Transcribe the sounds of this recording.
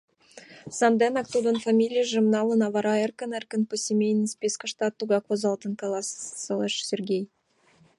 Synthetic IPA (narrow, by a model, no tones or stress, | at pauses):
sɑnd̪ɛnakt̪ud̪onfamʲilʲijəʒɨmnɑlˠənɑvɑɾɑerkənɛrkənposʲemʲejnisʲpʲeskəʂt̪ɑt̪ːuɡɑkozɑlˠt̪ənkɑlˠɑssəlˠɛʂsʲerɡʲej